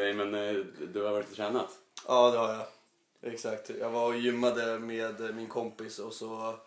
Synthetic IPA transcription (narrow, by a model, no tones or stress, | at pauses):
ɛjmɛnd̪ɵaɾvɔɾɪt̪ʰɾɛːnat̪ʔɑːd̪ɛhaɾja | ʔɛksakt̪jɑːɡvaɾjʏmːad̪əmeːd̪mɪnkʰɔmpɪsɔsɔ